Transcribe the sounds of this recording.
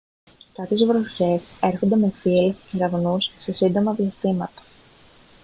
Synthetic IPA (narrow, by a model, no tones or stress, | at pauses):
kɐpçe̞zvɾoçe̞se̞ɾxond̪e̞me̞filceɾɐvnusse̞sind̪o̞mɐðiɐst̪imɐt̪ɐ̥